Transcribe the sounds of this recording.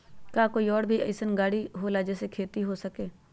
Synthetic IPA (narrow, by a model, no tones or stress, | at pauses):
kaːkoːiːɔːɽbʱiə̰ɪsənɡaːɽiɦoːlaːd͡ʒeːsekʰeːt̪iɦoːsəkeː